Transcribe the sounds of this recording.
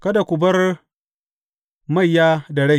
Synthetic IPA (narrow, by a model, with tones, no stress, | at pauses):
kɐ˦da˨kʷʊ˨bɐ˦r | ma˦˨jːaː˦dɐ˨ɽa˦˨